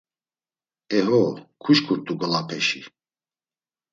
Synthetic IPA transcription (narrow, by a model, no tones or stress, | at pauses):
ɛɦɔkʰuʃkʰuɾt̪ʰʼuɡɔlapʰɛʃḭ